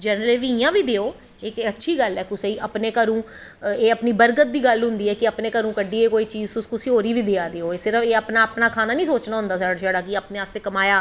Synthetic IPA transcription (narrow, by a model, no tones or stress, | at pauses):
d͡ʒɛːnɾəleʋĩijãːʋiːd̪eːoː | ɪkətːʃʰiːɡəlɛːkʊseːiːʔəpneːkəɾũː | eːəpniːbəɾɡət̪̚d̪iːɡəlɦʊ̃nd̪iːɛːkɪəpneːkəɾũːkəɖiːeːkoːiːt͡ʃiːzt̪ʊskʊsiːɦoːɾiːʋiːd̪eːaːd̪eːoːeːsɪɾəfeːəpnaːpnaːkʰaːnaːnĩːsoːt͡ʃnãːɦʊ̃nd̪aːsaɽd͡ʒaːɽaːkɪaːpneːaːst̪eːkəmaːjaː